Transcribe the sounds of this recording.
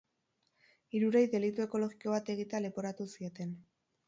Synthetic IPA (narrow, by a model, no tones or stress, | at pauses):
iɾuɾe̞jðe̞lit̪ue̞ko̞lo̞ɣiko̞βat̪e̞ɣit̪eale̞po̞ɾat̪usio̞t̪e̞n